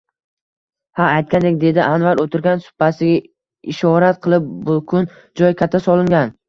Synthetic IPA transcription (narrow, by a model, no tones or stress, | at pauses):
haːjt̪̚kʲand̪e̞k̚ʲd̪e̞d̪ɪʔanvaɾot̪ʰɪɾɡʲansʊ̥pːasɪɡʲa | ɪʃɒɾat̪qʰɨlˠɪp̚bʊkʰʊn | d͡ʒɒjkʲʰat̪ʰːasɒlˠɪŋɡʲan